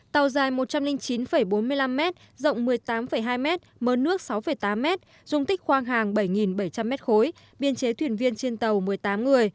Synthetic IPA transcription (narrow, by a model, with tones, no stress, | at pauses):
t̪a˨˩wzaː˨˩jmo˨˩t̚t͡ɕa˧mlï˧ŋ̟t͡ɕi˨˦nfə˧˩jɓo˨˦nmɨ˧əjla˧mːɛ˦˥t̚ | zə̰˧˨wŋ͡mmɨ˨˩əjt̪aː˨˦mfə˧˩jɦaː˧jmɛ˦˥t̚məː˨˦nɨ˦˥ək̚sa˨˦wfə˧˩jt̪aː˨˦mːɛ˦˥t̚ | z̥ʊ˧ŋ͡mt̪ï˦˥k̟̚xwaː˧ŋɦaː˨˩ŋɓə˧˩jŋi˨˩nɓə˧˩jt͡ɕa˧mːɛ˦˥t̚xo˨˦j | ɓi˧ənt͡ɕe˨˦t̪ʰwi˧˩ənvi˧ənt͡ɕe˧nt̪ə˨˩wmɨ˨˩əjt̪aː˨˦mŋɨ˨˩əj